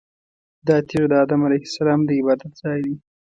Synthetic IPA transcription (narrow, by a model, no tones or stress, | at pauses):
d̪ɑt̪eʐed̪əɑd̪amalajhɪ̥salɑmd̪əɪbɑd̪at̪̚z̥ɑjd̪i